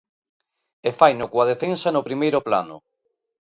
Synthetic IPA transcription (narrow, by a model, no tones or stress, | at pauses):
efajnʊkwaðefensanʊpɾimejɾʊpla̰nʊ̰